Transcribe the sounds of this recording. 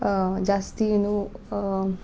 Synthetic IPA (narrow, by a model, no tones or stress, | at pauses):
d͡ʒast̪inũ